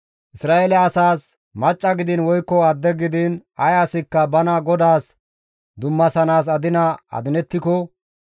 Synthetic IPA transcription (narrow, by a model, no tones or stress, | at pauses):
ʔɪsɾaːɛlɛɐsaːs | mɐt͡ʃʼːɐɡɪd̪ɪnwɔjkːɔɐd̪ːɛɡɪd̪ɪnɐjasɪkːɐbɐnɐɡɔd̪aːs | d̪ʊmːɐsɐnaːs̬ɐd̪ɪnɐɐ̰d̪ɪnɛt̪ːɪkɔ